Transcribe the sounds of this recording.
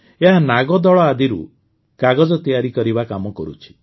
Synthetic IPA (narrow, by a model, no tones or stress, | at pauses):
eɦanaɡɔd̪ɔɭɔad̪iɾṵ | kaɡɔd͡ʒɔt̪ijaɾikɔɾibakamɔkɔɾṵt͡ʃʰi̥